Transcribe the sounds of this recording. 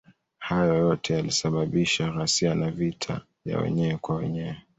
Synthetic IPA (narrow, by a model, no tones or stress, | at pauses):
hajɔjɔtʰɛjalisaɓaɓiʃaɣasianavitʰa̰ | vja̰wɛ̰ɲɛwɛkwawɛ̰ɲɛwɛ